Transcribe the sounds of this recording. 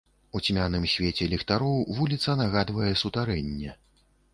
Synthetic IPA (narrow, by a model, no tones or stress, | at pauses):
ut͡sʲmʲanɨmsʲvʲet͡sʲɛlʲɛxt̪aɾɔwvulʲit̪sɐnaɣad̪vɐjɛsut̪aɾɛnʲːɛ